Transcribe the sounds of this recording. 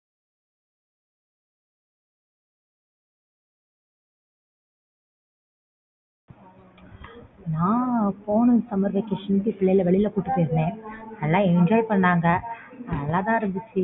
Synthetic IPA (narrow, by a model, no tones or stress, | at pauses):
nãːpoːɳɯ̃sɐmɐɾʋɛkeːʂɐnpːipɪɭːɐjlɐʋɛɭɪlɐkuːʈːɯpːeːsnẽːɐlːãːɛɲd͡ʒaːjpɐɳːaːŋɡɐ | ɐðɐlːãːt̪ãːɪɾɐmbɪt͡ʃːɯ